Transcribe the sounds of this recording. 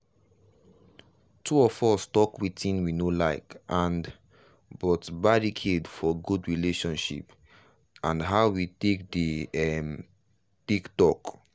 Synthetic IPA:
tʰuɔfɔstɔkwitĩnwinolaɪkʔãn | bɔtbaɹikʰedfɔɡudɹileʃɔ̃nʃḭp | ãnɦaʊwitek̚dəɛm | tiktɔk

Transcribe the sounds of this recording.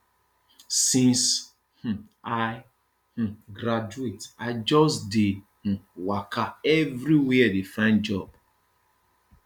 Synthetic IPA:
sĩns | h̩ | aɪ | h̩ɡɾad͡ʒuetaɪd͡ʒɔsde | h̩wakʰaɛvɾiweɛdefãɪ̃nd̚d͡ʒɔb

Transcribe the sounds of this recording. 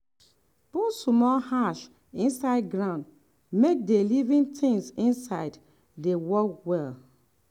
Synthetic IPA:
b̥usmɔlhaʃ | ĩnsaɪd̚ɡɹãʊ̃nd | mek̚delivĩntʰɪ̃ŋsĩnsaɪd | dewɔkwɛl

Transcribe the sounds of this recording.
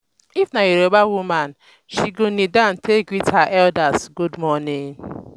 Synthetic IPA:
ifnaiɾobawuman | ʃiɡonidan̩tʰeɡwithaʔɛldasɡudmɔniŋ

